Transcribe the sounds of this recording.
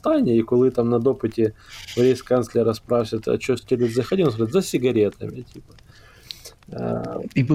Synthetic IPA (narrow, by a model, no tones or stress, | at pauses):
t̪anʲɪikʊlˠɨt̪amnɐd̪opɨtʲɪvɾʲejskansʲlʲɪɾɐspɾasʲɪt̪ɐ̰t͡ɕosʲtʲeɾʲɪt̪zɐxɐdʲions̬pɾaɪt̪zɐsʲɪɡɐɾʲet̪ɐmʲɪtʲipɐ̥ | i